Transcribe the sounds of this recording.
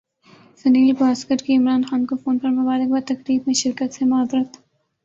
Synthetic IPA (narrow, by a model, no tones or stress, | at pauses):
sɐniːlbaːskəʈkiɪmɾaːnxaːnkofoːnpɐɾmʊbaːɾɪk̚bat̪ɐkɾiːbmẽʃɪɾkət̪semaːbɾət̪